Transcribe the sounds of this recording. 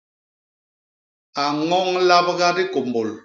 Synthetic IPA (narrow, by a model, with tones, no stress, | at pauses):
a˨ŋɔ˦ŋla˦b̚ɣa˦di˦ko˨mbo˨l